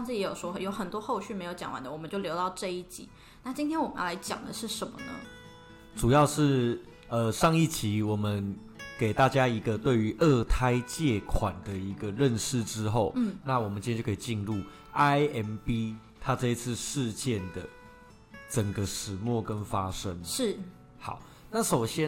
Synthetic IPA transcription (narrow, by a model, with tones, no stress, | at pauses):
ɑ˥˧ŋt͡s̩ʰ˥˩˨jjo˨˩ʊʂwɔ˥xjo˧˥ʊxə˨˩nt̪wɔ˥xo˥˧ʊɕy˥˩me˧˥ɪjo˧˥ʊt͡ɕɑ̰˨˩ŋwa̰˧˦nd̪ə˨wɔ˨˩mə˦t͡ɕo˥˩ʊljo˧˥ʊt̪ɑ˥˧ʊʈ͡ʂɤ˥˧i˥˩t͡ɕḭ˨˩˦ | na˥˩t͡ɕi˥nt̪ʰjɛ˥nwɔ˨˩mə˨˦jla˧˥ɪt͡ɕjɑ̰˨˩ŋd̪ə̰˦ʂɻ̩˥˩ʂə˧˦nmə̰˧nə̰˧ | ʈ͡ʂu˨˩jɑ˥˧ʊʂɻ̩˥˩ | ə˧ʂɑ˥˧ŋi˥˩t͡ɕʰi˨˦wɔ˨˩mə˦n | ke˨˩ɪt̪a˥˩t͡ɕja˥i˧˥ɡə˧t̪we˥˩ɪy˧˥ʔə˥˩t̪ʰa˥ɪt͡ɕjɛ˥˩kʰwa˨˩nd̪ə˨i˧˦ɡə˧ɻə˥˧nʂɻ̩˥˩ʈ͡ʂɻ̩˦xo˥˨˩ʊ˥˩na˥˩wɔ˨˩mə˨nt͡ɕĩ˥e˥˧˥o˥˩kʰi˨˩t͡ɕi˥˧nɻu˥˩ | a˦ɪɛ˧˥npi˥ | t̪ʰa˦ʈ͡ʂɤ˥˧i˧˥t͡s̩ʰ˥˧ʂɻ̩˥˧t͡ɕjɛ˥˨nd̪ə˩ | ʈ͡ʂə˨˩ŋɡə˦ʂɻ̩˨˩mwɔ˥˨kə˦nfa˦˥ʂə˦˥ŋʂɻ̩˥˩ | xɑ˨˩˦ʊ | na˥˩ʂo˨˩ʊɕjɛ˥